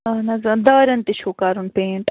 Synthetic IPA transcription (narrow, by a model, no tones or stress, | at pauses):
ɐnɐzɐ̃nd̪ɐːɾɐnt̪iʃoːkaːɾunpẽːɳʈ